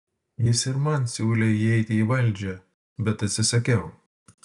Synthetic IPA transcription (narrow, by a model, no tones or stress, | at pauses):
jɪsɪɾmɐnsʲuːlʲɛiɛɪt̪ʲɪiːʋɐlʲˑd͡ʒʲɛ | bʲɛt̪ɐt̪ʲsʲɪsɐkʲɛʊ